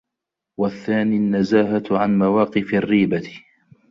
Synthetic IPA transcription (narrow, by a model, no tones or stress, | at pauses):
waθːaːniːanːazaːɦaʕanmawaːqɨfrːiːba